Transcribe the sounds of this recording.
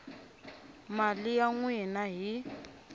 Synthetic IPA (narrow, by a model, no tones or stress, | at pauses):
malijaŋwɛnaɦi